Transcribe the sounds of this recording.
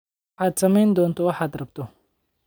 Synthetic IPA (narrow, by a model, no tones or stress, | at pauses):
ʕaːd̪sɐmɛjnd̪ɔːnt̪ʰɔwɑħaːd̪rɐbt̪ʰɔ